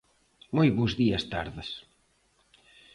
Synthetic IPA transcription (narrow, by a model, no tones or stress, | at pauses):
mojβozðiɐst̪a̰ɾðɪs